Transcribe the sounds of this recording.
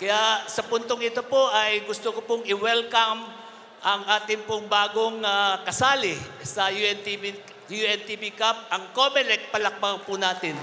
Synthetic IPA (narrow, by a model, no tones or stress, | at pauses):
kɐjasɐpʊnt̪oŋɪt̪o̞poʔɐjɡʊst̪okopʊŋɪwɛlkɐm | ʔɐŋʔaːt̪ɪŋpʊŋbaːɡoŋakɐsaːlɪsɐjuɛnt̪ii | juʔɛnt̪ibikap̚ɐŋkomɛlɛk̚pɐlɐk̚bapunaːt̪ɪn